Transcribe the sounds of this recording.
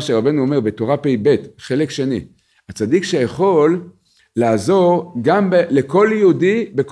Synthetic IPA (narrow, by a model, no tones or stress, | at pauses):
ʃeʁabe̞nuome̞ʁbe̞toʁapejbe̞tχe̞lekʃe̞nḭ | hat͡sadikʃejaχo̞lː | aːzo̞ʁɡambele̞ko̞ljeudibek